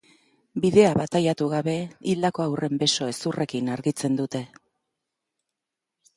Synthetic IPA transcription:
biðe̞aβat̪ajat̪uɣaβe̞ild̪ako̞awrʔe̞mbe̞so̞e̞surʔe̞kinaɾɣit͡se̞nd̪ut̪e̞

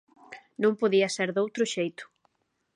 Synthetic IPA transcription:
nõŋpoðiɐseɾðowt̪ɾʊʃejt̪ʊ̥

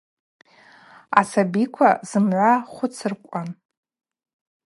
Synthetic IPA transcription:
asabikʷʰaz̥ɨmʕʷaχʷʊt͡sʰɨrkʷʼan

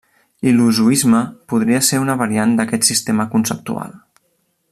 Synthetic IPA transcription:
iluzuizməpuð̞ɾiəseɾunəβəɾiand̪əkɛt̪sist̪eməkunsəp̚t̪ṵa̰lˠ

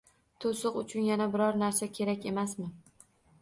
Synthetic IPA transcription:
t̪ʰosʊqʊt͡ʃʰʊnjanabɪɾɒɾnaɾsakʲʰe̞ɾakʲe̞masmɪ

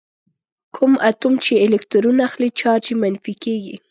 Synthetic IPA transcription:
kʰumʔat̪umt͡ʃeːlekt̪uɾunaaxlit͡ʃɑɾd͡ʒemanfikeɡi

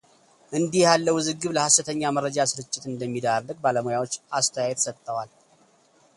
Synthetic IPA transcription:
ʔɨnd̪ihjalːəwɨzɨɡːɨβləhasɨt̪ʰəɲːaməɾːəd͡ʒasɨɾɨt͡ʃʼːɪt̪ɨnd̪əmːid̪aɾlɨɡ̚baləmojawo̞t͡ʃːast̪ʰəjajɛt̪sət̪ʼːəwal

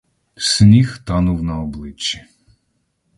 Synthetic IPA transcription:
snʲixt̪ɑnʊwnɐɔblˠɪt͡ʃːi̥

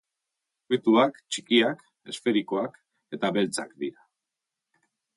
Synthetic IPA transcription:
it̪uakt͡ʃi̥kiak | e̞sfe̞ɾiko̞ak | e̞t̪aβe̞lt͡sa̰kd̪iɾa

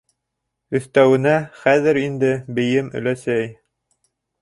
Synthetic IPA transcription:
ɵ̆θt̪æwɘ̆næχæðɘɾind̪ɘbɘ̆jɘmɵ̰̆læsæj

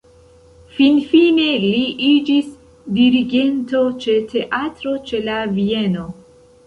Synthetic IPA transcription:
finfine̞liʔid͡ʒis | diɾiɡe̞nto̞t͡ʃe̞tʰe̞ʔatɾo̞t͡ʃe̞lavie̞no̞

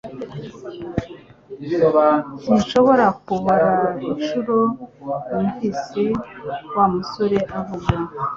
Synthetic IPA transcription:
n̥inʃo̞βo̞ɾakuβaɾaiʃuɾoumhisewaːmuso̞ɾe̞ʔaβuɡa

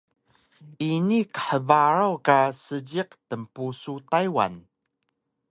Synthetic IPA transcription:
ʔinikə̥ħəvaɾawkasəɟiq̚təmpusutajwa̰n

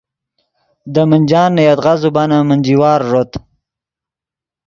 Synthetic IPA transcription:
d̪əmənd͡ʒɑːnːajat̪ʁazubanamənd͡ʒiwɑːɾʐot̪

